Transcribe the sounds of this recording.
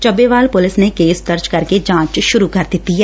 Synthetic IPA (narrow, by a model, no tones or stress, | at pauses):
t͡ʃɐbːeʋaːlpʊlɪsnekeːsd̪ɐɾt͡ʃkɐɾked͡ʒãːt͡ʃʃʊɾukɐɾd̪ɪt̪iɦɛː